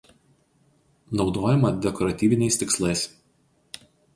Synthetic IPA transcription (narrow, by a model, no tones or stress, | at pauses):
nɒʊd̪oːjɛmɐd̪ʲɛkɔɾɐt̪ʲiːʋʲɪnʲɛɪst̪ʲɪkslˠɐɪs